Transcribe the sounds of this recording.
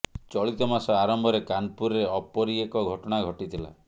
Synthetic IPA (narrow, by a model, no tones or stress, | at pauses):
t͡ʃɔɭit̪ɔmasɔaɾɔmbʱɔɾekanpuɾɔɾeɔpɔɾiekɔɡʱɔʈɔɽ̃aɡʱɔʈit̪ʰila̰